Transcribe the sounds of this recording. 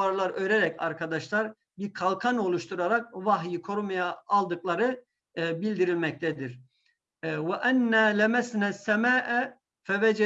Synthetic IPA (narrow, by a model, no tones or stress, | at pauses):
aɾlˠaɾøɾɛɾɛca̰ɾkʰad̪aʃlˠaɾ | biɾkʰalˠkʰano̞lˠuʃt̪ʰuɾaɾak̚vaɦjikʰo̞ɾmajaːlˠd̪ɯklˠaɾɯ | bilʲd̪iɾilʲmɛc̚t̪ʰɛd̪iɾ | wɛʔænːæːlʲæmæsnæːsːæmaːʔæ | fævɛd͡ʒɛ